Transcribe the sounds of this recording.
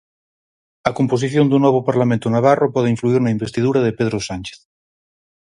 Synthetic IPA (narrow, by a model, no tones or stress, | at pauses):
ɐkompos̬iθjond̪unɔβ̞opaɾlamẽnt̪onaβ̞aropɔð̞eiɱfluiɾnaimbest̪iðuɾaðepeðɾosant͡ʃe̥θ